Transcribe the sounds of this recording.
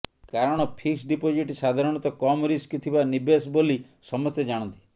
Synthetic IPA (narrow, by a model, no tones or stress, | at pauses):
kaɾɔɽ̃ɔpʰiksɖipod͡ʒiʈsad̪ʱaɾɔɽ̃ɔt̪ɔkɔmɾiskit̪ʰibanibesboli | sɔmɔsjed͡ʒaɽ̃ɔ̃nt̪i̥